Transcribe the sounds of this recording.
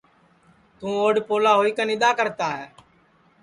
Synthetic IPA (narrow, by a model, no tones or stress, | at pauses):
t̪ũːoːɖpoːlaːɦoːiːkənɪd̪aːkəɾt̪aːɦɛː